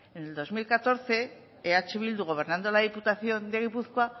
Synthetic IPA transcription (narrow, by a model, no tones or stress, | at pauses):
ene̞ld̪o̞zmilkat̪o̞ɾθe̞ː | at͡ʃe̞βild̪uɣ̞o̞β̞e̞ɾnand̪olaðiput̪aθjo̞nd̪e̞ɣ̞ipuθkoa